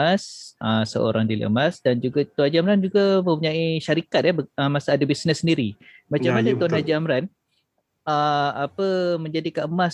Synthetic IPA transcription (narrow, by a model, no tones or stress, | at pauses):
asəsə̰o̰ɾaŋdilə̰masdand͡ʒuɡat̪ɔnhad͡ʒiamɾand͡ʒuɡamə̃mpuɲaiʃaɾikat̪̚ɛbəmasaadabisnəsːəndiɾimat͡ʃammanat̪ɔnɦad͡ʒiamɾan | əapəməɲd͡ʒadikaəmas